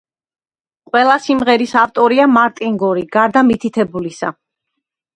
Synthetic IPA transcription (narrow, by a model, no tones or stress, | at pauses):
qʼwɛlˠasimʁɛɾisaft̪ʼɔɾiamaɾt̪ʼiŋɡɔɾiɡ̥aɾd̪amit̪ʰit̪ʰɛbulisa̰